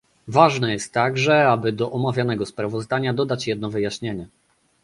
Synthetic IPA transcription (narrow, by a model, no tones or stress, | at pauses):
vaʐnɛjɛst̪ːaɡʐɛabɘd̪ɔʔɔmavʲjanɛɡɔspɾavɔzd̪aɲad̪ɔd̪at͡ɕjɛd̪̚nɔvɘjaɕɲeɲɛ